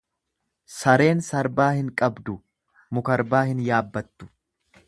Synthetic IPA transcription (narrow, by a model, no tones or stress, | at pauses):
sɐɾe̞ːnsɐɾbaːhɪŋkʼɐbd̪ʊ | mʊkɐɾbaːhɪnjaːbːɐt̪ːʊ̥